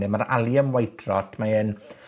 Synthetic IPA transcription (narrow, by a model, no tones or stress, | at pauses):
ɛmaɾa̰lˠjəmwajtʰrɔtʰmaɛn